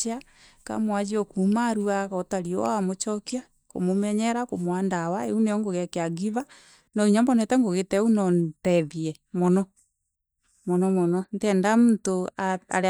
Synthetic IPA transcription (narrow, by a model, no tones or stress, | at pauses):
a | ka̰mwad͡ʒiɔkumaɾuaɣɔtaɾiɔ̰amot͡ʃɔkia | ko̰momɛɲɛɾakomwaːndawaeuneɔŋɡoɣɛkeaɡiβa | nɔiɲambɔnɛtɛŋɡoɣetɛunɔntɛðiɛ | mɔnɔ | mɔnɔmɔnɔntɛndamuntoaa̰ɾ